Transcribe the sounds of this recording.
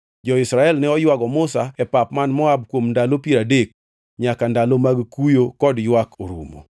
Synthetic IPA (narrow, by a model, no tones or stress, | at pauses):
d͡ʒɔɪsɾaɛlnɛɔjwaɡɔmʊsaɛpap̚manmɔab̚kwomndalopieɾadek̚ | ɲakandalomaɡkujokɔdjwakʰoɾṵmo̰